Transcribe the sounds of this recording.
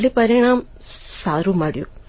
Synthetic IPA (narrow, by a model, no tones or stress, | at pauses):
lipɐɾiɐɳaːm | saːɾumɐɽjṵ